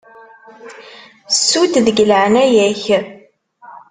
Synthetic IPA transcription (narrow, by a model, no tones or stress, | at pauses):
sːut̪ðəɡləʕənæjæç